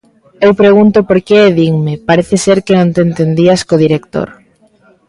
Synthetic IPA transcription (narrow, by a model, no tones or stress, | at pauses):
ewpɾeɣunt̪ʊpoɾkeeðiŋmɪpaɾeθeseɾkenõnt̪ent̪end̪iaskoðiɾekt̪o̰ɾ